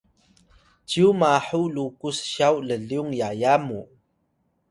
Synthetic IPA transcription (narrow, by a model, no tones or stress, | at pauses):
t͡ɕiumaħulukusɕawləɮiuŋjajamu